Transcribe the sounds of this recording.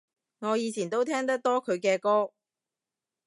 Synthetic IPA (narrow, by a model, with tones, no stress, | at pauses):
ŋɔː˨˧jiː˨˧t͡sʰiː˨˩nt̪o˥wt̪ʰɛː˥ŋt̪ɐ˥k̚t̪ɔː˥kʰɵ˨˧ɥkɛː˧kɔː˥